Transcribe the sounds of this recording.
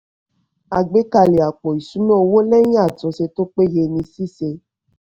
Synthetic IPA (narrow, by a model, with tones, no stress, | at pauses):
a˨ɡ͡be˨˦ka˧˨le˨a˨k͡pɔ˨i˨sũ˨˦mɔ̃˦o˧wo˦lɛ˦j̃ĩ˦a˦˨tũ˨˦se˧to˦k͡pe˦je˧nĩ˧si˦se˧